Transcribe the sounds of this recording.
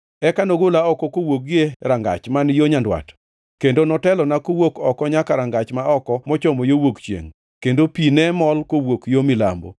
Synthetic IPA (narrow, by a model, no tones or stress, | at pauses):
ɛkanoɡolaɔkɔkowoɡjeɾaŋɡa̰t͡ʃmanjoɲandwa̰t | kendonɔtɛlɔnakowokɔkɔɲakaɾaŋɡat͡ʃmaɔkɔmɔt͡ʃɔmɔjowokt͡ʃjḛŋ | kendopinɛmɔlkowokjomɪla̰mbo̰